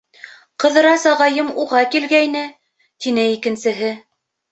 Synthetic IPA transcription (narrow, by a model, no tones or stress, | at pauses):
qɤ̆ðɤ̆ɾɑsɑʁɑjɤmuʁɑkilɡæjnɘ | t̪inɘikɘ̆nsɘ̆ɦɘ